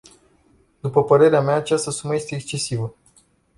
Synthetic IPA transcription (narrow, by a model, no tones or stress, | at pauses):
d̪upəpəɾe̞ɾeameaːt͡ʃast̪əsuməje̞st̪e̞ːkst͡ʃe̞sivə